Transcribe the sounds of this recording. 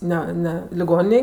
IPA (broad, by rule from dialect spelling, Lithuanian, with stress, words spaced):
ˈnʲɛ ˈnʲɛ lʲɪˈɡoːnʲɪnʲeːj